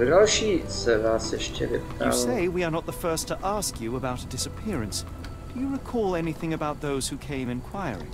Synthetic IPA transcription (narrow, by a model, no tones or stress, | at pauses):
ɾɔʃisəvasɪʃt͡ʃʰɪ̰ɾɪ̰pa̰seɪwiə˞nət̪̚ðəfɜ˞stʰəʔæskjɨəbaʊɾɨdɪsɨpʰɪɹɨ̃ns | d̥ɨjɨɹɨkʰɔlˠɛniθɪ̃ŋɨbaʊt̪̚ðoʊz̥hʉkʰẽɪ̃mɨ̃nkʰw̥aɪə̰ɹɪ̰̃